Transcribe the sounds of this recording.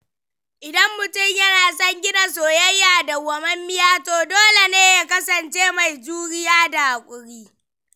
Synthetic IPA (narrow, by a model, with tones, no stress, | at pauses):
ʔɪ˨dɐ˦mːʊ˨tʊ˦˨mjɐ˦naː˨sɐ˦ŋɡʲɪ˦da˨soː˨jɐ˦jːaː˨da˨ɡɐ˨mɐ˦mːɪ˦jaː˦toː˨doː˦le˨neː˦ja˦kɐ˦sɐ˨nt͡ʃeː˦ma˨jd͡ʒuː˦ɽɪ˦jaː˦da˨ʔa˨kʷʼʊ˨ɽiː˦